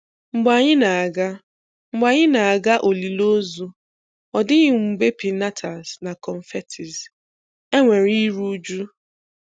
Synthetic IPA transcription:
ŋ͡m̩˨ɡ͡ba˨ɲɪ˦na˨a˨ɡa˦ | ŋ͡m̩˨ɡ͡ba˨ɲɪ˦na˨a˨ɡa˦ʔo˨li˨lo˦zu˦ | ɔ˨dɪ˦ɣɪ˨ŋ͡m̩˨be˦pi˨na˦tʰa˨zna˨kɔ˨n̩˨fe˦tʰɪ˨z | e˦ŋʷe˨ɾi˦ɾu˦d͡ʒu˦

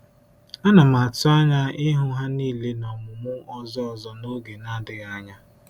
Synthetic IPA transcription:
a˦na˨ma˨a˨tʊ˦a˦ɲa˦ɪ˦ɦʊ˦ɦa˦niː˦˨le˦nɔ˨mʊ˨mʊ˦ɔ˦zɔ˦ɔ˨zɔ˦no˦ɡe˨na˦dɪ˨ɣa˦ɲa˦

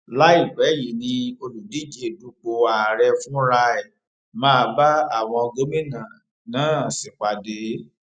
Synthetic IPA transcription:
la˦i˦˨ɡ͡bɛ˨˦ji˨˦nĩ˧o˧lu˨di˨˦d͡ʒe˧˦du˧˦ɡ͡bo˧a˨ɾɛ˧fũ˦ɾa˧ɛ˨ | mãː˦˧ba˦a˦˨w̃ɔ̃˧ɡo˦mĩ˦nã˨ | nãː˨˦˨si˨k͡pa˨de˨˦

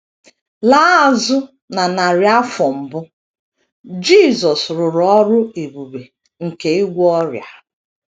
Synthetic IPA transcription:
la˦˨zʊ˦ | na˨na˨ɾja˦fɔ˨m̩˨bʊ˦ | d͡ʒi˦˨zɔ˨sɾʊ˨ɾɔ˦ɾʊ˦e˨bu˨ɾe˨ | ŋ̩˨ke˨e˦ɡʷɔ˦ɾja̰˨

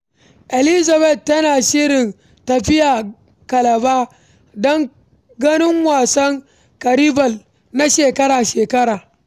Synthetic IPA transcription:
ʔɛ˨lɪ˦za˨bɛ˦˨t̚ːɐ˦naː˨ʃɪ˦ɾɪ˨n | tɐ˨ɸɪ˦jaː˨ | kɐ˨lɐ˨baː˦ | dɔ˦ŋ | ɡɐ˦nɪ˦ŋwaː˨sɐ˦ŋ | kɐ˨ɾi˦bɐ˨l | na˦ʃeː˨kɐ˦ɾaː˨ʃeː˨kɐ˦ɾaː˨

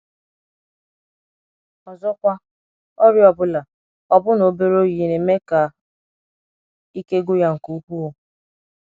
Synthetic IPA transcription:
ɔ˨zɔ˦kʷa˦ | ɔ˦ɾjɔ˨bʊ˦la˨ | ɔ˦bʊ˦no˨be˦ɾo˦je˨ne˨me˦ka˨ | i˦ke˦ɡʊ˦ja˦ŋ̩˨ku˦u˦ku˦o˨

